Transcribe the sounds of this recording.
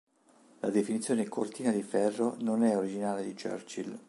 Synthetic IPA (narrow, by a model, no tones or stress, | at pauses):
lad̪efinit̪sːjoːnekʰort̪iːnad̪ifɛrːononɛoɾid͡ʒinaːled̪it͡ʃø̰rt͡ʃil